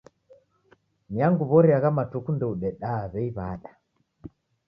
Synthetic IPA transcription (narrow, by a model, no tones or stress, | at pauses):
niaŋɡuβɔɾiaɣamatukundɛuɗɛɗaːβɛiβaɗa